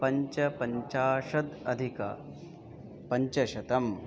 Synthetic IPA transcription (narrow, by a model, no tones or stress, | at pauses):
pɐɲt͡ʃɐpɐɲt͡ʃaːʃɐd̪ɐd̪ʱikɐ̰ | pɐɲt͡ʃɐʃɐt̪ɐm